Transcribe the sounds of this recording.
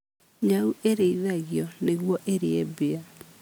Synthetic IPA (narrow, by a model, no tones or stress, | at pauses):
ɲaueɾeiðaɣjɔneɣwɔʔeɾḛebea